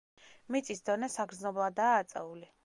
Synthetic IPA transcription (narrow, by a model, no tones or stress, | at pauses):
mit̪sʼisd̪ɔnɛsaɡɾd̪znɔblˠad̪aːt̪sʼɛ̰uli